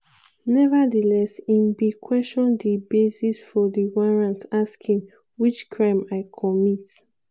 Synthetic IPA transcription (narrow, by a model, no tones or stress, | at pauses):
nɛvadəlɛsĩnbikʰwɛstɔ̃ndibesisfɔdiwɔɹãntaskʰĩŋ | wit͡ʃkʰɹãɪ̃maɪkʰɔmit